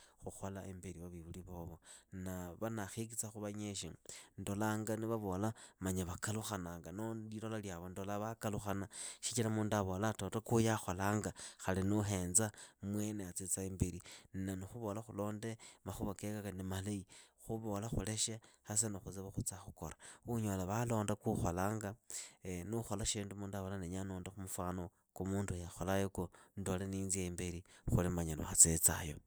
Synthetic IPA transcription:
xuxolaʔembiɾiβaβiβuliβoβonnaβanaxik̬it͡saxuβaɲeʃindo̞laːŋɡaniβaβo̞lamaɲaβakaluxanaːŋɡanolilolaljaβondolaβakaluxanaʃi̥t͡ʃilamuːndaβo̞latotokujaxolaːŋɡaxalinuɦe̞ːnzamwe̞neat͡sit͡saembiɾininanixuβo̞laxulo̞ːndemaxuβakekakanimalaixuβo̞laxṵle̞ʃaxas̬enoxuziβaxut͡saxuko̞̰ɾḁuɲolaβalo̞ːndakuxolaːŋɡa | nuxo̞laʃiːndumuːndaβolaneɲanoːndaxumufwaːno | kumuːndujaxolajokondoleniːnzieimbiɾixulimaɲalo̰at͡set͡sa̰jo̞̰

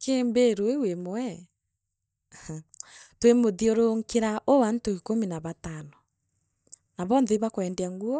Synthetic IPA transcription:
kʰeːmbeɾoewemoɛ | twemoðioɾoŋkeɾaʔowantoikominaβatanɔ | naβɔːnðɛβakoɛndeaŋɡuɔ

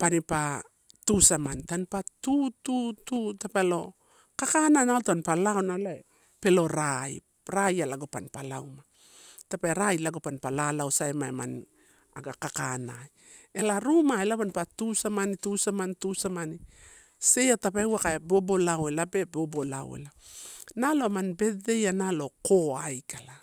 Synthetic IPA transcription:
panipa | tusamantanpatutututapalo̞ | kakananaltanpalaonalae | pe̞lo̞ɾaj | ɾajalaɡopanpalawma | tapaeɾajlaɡopanpalalawsaemaema̰n | aɡakakanaj | elaɾumaelapanpatusamanitusamantusamani | se̞jatapawakaebo̞bo̞lawelabe̞bo̞bo̞lao̰ḛlanalo̞manbe̞de̞janalo̞koajkala

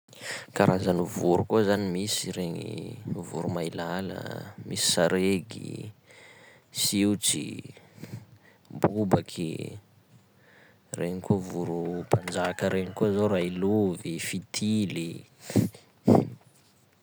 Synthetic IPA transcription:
kaɾʔazanivuɾukuzanimisiɾeɲḭvṵɾumailalə̰misi̥saɾeɡḭ | siut͡sḭ | bubakʰḭ | reɲikovuɾupʰand͡ʒakəɾʔeɲikuzorailuvifit̪ʰili

